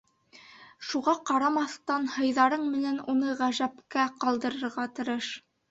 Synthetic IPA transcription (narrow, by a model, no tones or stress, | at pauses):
ʃuʁɑqɑɾɑmɑθt̪ɑnhɤ̆jðɑɾɤɴmɘ̆nænunɤʁæʒæpkæqɑlˠd̪ɤ̆ɾɤ̆ɾʁɑt̪ɤ̆ɾɤʃ